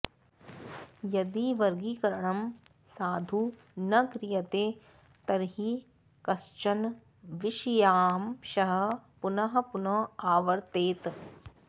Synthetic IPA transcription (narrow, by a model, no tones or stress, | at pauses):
jɐd̪iʋɐɾɡiːkɐɾɐɳɐm | saːd̪ʱu | nɐkɾɪjɐt̪eː | t̪ɐɾɦi | kɐst͡ʃɐn | ʋɪʃjaːmʃɐɦɐ̆pʊnɐɦɐ̆pʊnɐaːʋɐɾt̪eːt̪